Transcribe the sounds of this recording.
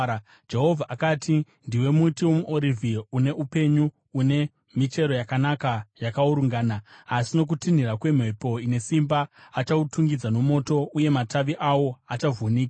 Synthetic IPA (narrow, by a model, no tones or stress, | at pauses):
d͡ʒe̞ɦo̞vʱaʔakatʰi | ndiwe̞mutiwo̞muʔoɾivʱiune̞ʔupe̞ɲu | une̞ | mit͡ʃe̞ɾo̞jakanakajakauɾuŋɡaːnaːsino̞k̬utin̤irakwe̞m̤epo̞ine̞simbaːt͡ʃautʰuŋɡid͡zano̞mo̞ːto̞ʔuje̞mataʋiʔawo̞at͡ʃavuniːka